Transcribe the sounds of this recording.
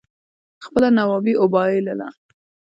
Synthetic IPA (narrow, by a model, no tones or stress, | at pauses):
xpəlanawɑbiʔʊbɑelala̰